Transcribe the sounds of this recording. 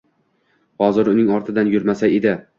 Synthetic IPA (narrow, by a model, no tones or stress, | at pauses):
hɒzɪɾʊnɪŋɒɾt̪ʰɪd̪anjʊɾmasaed̪ɪ